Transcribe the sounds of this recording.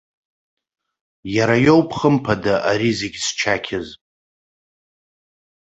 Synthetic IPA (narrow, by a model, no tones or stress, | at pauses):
jaɾajo̞wpʰχəmpʰadaʔaɾizeɡʲst͡ʃʰakʲʰɪz